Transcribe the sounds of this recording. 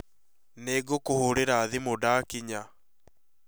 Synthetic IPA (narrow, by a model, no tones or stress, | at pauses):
neːɡokohoɾeɾaːðemodakiɲa